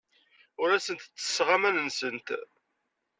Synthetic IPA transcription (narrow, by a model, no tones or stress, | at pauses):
ʊɾæsənt̪t͡sːə̥sʁamænənsənt̪